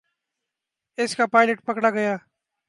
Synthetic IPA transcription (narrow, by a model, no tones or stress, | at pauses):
ɪskaːpaːɪləʈ̚pəkɽaːɡəjaː